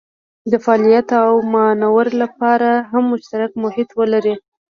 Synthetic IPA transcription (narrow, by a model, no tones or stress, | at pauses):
d̪əfɑɑlijat̪awmanawəɾlapɑɾaɦamːʊʃt̪aɾakmʊhɪt̪wəlaɾi